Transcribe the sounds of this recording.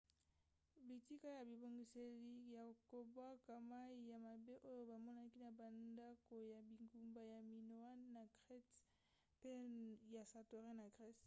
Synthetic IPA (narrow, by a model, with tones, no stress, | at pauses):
bi˨ti˦ka˦ja˨bi˨bo˨ŋɡi˨se˨li˦ja˨ko˨bwa˦ka˨ma˦i˨ja˨ma˨be˦ʔo˦jo˦ba˨mɔ˦na˦ki˦na˨ba˨nda˦ko˨ja˨bi˨ŋɡu˨mba˨ja˨mi˨no˨a˦nːa˨ɡʁɛ˦t | pe˦ja˨sa˨to˨ʁe˦na˨ɡʁɛ˦s